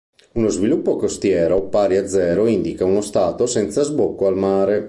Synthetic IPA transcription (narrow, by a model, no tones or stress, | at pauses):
unozvilupːokost̪jɛːɾopaːɾiad̪zːɛːɾoind̪ikaunost̪aːt̪osɛnt̪sazbokːoalmaːɾe